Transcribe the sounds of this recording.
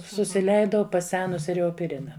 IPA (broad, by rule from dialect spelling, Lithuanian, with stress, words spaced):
sʊsʲɪˈlʲɛɪdɐʊ pɐˈsʲæːnʊsʲɪ rʲɛoːpʲɪˈrʲɪnɐ